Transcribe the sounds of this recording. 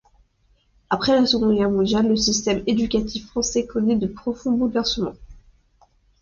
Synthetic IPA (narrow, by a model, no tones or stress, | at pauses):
apχɛlasəɡɔ̃d̪ɡɛʁmɔ̃d̪jalːəsist̪ɛmed̪ykʲat̪ʰifːχɑ̃sɛkʰɔnɛd̪əpχɔfɔ̃bulvɛʁsəmɑ̃